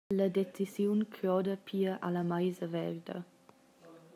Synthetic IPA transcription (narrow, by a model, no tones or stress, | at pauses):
ləd̪et͡sisjunkʰɔd̪əpʰiːəʔalamajzəvɛ̰ɾd̪ɐ̰